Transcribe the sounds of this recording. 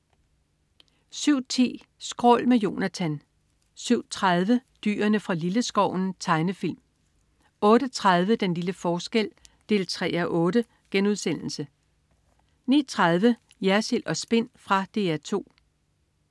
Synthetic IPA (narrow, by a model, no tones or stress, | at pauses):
syʊ̰t͡sʰḭː | sɡ̥ʁɔ̰̽lmejo̝ːnæt͡sʰæn | syʊ̰t͡sʰʁað̞ˠʋəd̥y̰ːɐnəfʁɑ̈liləsɡ̥ɒʊ̰n̩t͡sʰɑ̈ɪnəfil̰m | ɔ̽ːɾ̥ət͡sʰʁað̞ˠʋəd̥enliləfɒːsɡ̥el̰d̥e̝̰ːlt͡sʰʁɛ̰ːæɐʔɔ̽ːɾ̥ə | ɡ̥enuð̞ˠsen̰l̩sə | nḭːt͡sʰʁaðˠʋə | jæɐselʔɒ̽sb̥e̝n̰fʁɑ̈d̥e̝̰ːæɐt͡sʰo̝̰ː